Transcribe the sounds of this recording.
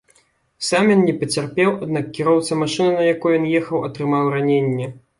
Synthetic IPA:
samjɔnnʲɛpɐt͡sʲarpʲɛwad̪nakkʲiɾɔwt̪sɐmaʂɨnɐnɐjakujujɔnjɛxɐwɐt̪ɾɨmawranʲenʲːɛ

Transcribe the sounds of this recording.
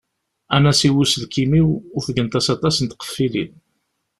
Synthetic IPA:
ænæsiwusəðkimiwʊɾθəɡənt̪æsɑt̪ˤɑsənt̪qə̥fːilḭn

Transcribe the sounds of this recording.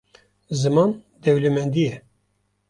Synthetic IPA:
zɨmɑːn | d̪ɛwlɛmɛnd̪ijɛ

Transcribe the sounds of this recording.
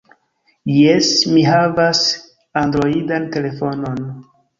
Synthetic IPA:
jesmiɦavas | andɾo̞idante̞le̞fo̞no̞n

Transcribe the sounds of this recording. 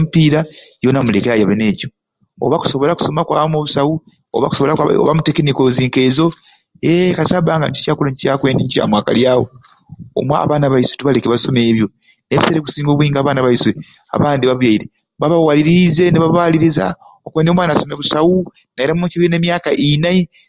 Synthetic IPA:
mipiɾajo̞namule̞keɾajaβene̞ːco̞ | o̰βaku̥so̞βo̞laku̥so̞makwa̰ːβamoβusawu | o̰βa̰ku̥soβolao̰βamutekenikoziːŋke̞ːzo̞ | ekasaːbaːŋɡa̰ɲi̥caːkulaɲcaːkweːndiɲca̰mwaːka̰ljaːwo̰o̰mwa̰ːβaːnaβaiswetuβalekeβaso̞me̞ːβjo̞ | neβi̥seɾeku̥siːŋɡo̞ːβwiːŋɡaːβaːnaβaiswe | a̰βaːndiβaβjaiɾe | βaβawaliɾize̞neβaβaliɾiza̰okweːndo̞mwaːnasome̞βusawu | naiɾamuːciβine̞ːmjaːkaʔinai

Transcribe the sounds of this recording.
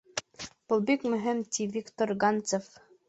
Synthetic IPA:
b̥ɤ̆lˠbikmɵ̆ɦɘ̆mt̪ʲivʲikt̪orɡɑnt͡sef

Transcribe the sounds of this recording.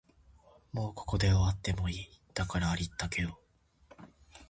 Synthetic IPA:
mo̞ːkʰo̞̥ko̞d̪e̞oβat̪ːe̞mo̞iːd̪̥akaɾaːɾʲit̪ːake̞d̪o

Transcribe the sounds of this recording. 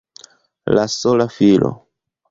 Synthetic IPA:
lasolafilo̰

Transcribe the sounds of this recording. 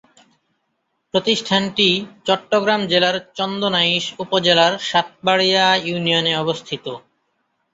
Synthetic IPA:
pɾot̪iʃʈʰanʈit͡ɕɔʈːoɡɾamd͡ʑelaɾt͡ɕɔnd̪onaiʃupod͡ʑelaɾʃat̪̚baɽijajunijoneɔbost̪ʰit̪o

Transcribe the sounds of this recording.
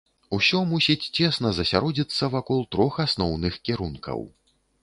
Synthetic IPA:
usʲɔmusʲit͡sʲt͡sʲɛsnɐzɐsʲaɾɔd͡zʲit̪sːɐvakɔlˠt̪ɾɔxasnɔwnɨxkʲiɾunkʰɐ̰w

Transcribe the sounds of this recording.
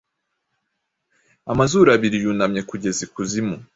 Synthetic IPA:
amazuːɾaβiɾijunamɲe̞kuɟe̞zikuzimu

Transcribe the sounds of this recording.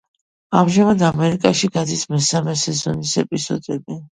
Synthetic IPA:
amʒamad̪amɛɾikʼaʃiɡad̪ismɛsamɛsɛzɔnisɛpʼiz̥ɔ̰d̪ɛbɛ

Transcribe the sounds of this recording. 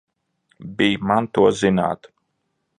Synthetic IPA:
biːmant̪uɔzina̰ːt̪

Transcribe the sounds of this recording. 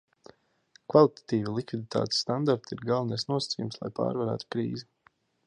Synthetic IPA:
kvalˠit̪ḁt̪iːvilˠikvid̪it̪ʰa̰ːt̪e̥ssːt̪and̪aɾt̪iɾɡalˠvnajsnuɔsḁt̪sʲḭjumslˠa̰jpa̰ːɾvaɾæ̰ːt̪u̥kɾḭːzi

